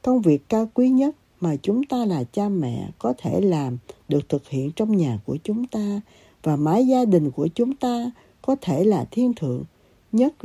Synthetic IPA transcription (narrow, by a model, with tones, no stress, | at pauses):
kə˧wŋ͡mvi˨˩əkːaː˧wkwi˨˦ɲə˦˥t̚ | maː˨˩t͡ɕʊ˨˦ŋ͡mt̪aː˧laː˨˩t͡ɕaː˧mɛ̰˧˨kɔ˨˦t̪ʰe˧˩laː˨˩mɗɨ˨˩ək̚t̪ʰɨ˨˩k̚hḭ˧˨ənt͡ɕɔ˧wŋ͡mɲaː˨˩ku˧˩ət͡ɕʊ˨˦ŋ͡mt̪aː˧ | vaː˨˩maː˨˦jzaː˧ɗï˨˩ŋ̟ku˧˩ət͡ɕʊ˨˦ŋ͡mt̪aː˧ | kɔ˨˦t̪ʰe˧˩laː˨˩t̪ʰi˧ənt̪ʰɨ̰˧˨əŋ | ɲə˦˥t̚